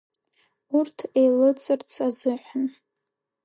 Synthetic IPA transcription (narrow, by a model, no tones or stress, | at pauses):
urtʰejlɨt͡sʼɨrt͡sʰʼazɨħʷan